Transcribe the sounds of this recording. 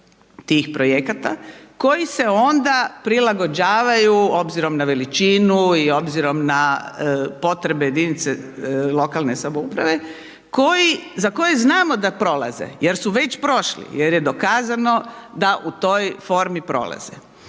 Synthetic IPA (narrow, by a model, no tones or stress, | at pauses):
t̪iːxpɾo̞jekat̪a̰ko̞jise̞o̞nd̪apɾilaɡo̞d͡ʑaːʋajuo̞bziɾo̞mnaʋe̞lit͡ʃiːnuio̞bziɾo̞mna | po̞t̪ɾe̞bejed̪init̪selˠo̞kalˠnesaboupɾaʋe̞ | ko̞jizako̞jeznaːmo̞d̪apɾo̞la̰zḛje̞ɾsuʋe̞t͡ɕpɾo̞ʃlḭje̞ɾjed̪o̞kaːzano̞d̪aʔut̪o̞jfo̞ɾmipɾo̞̰la̰zḛ